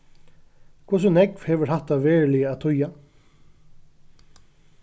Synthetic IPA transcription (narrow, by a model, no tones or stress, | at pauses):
kʰvʊs̬ʊnɛkvhɛːʋəɹhaht̪ːaʋɛːɹlɪəat̪ʰʊja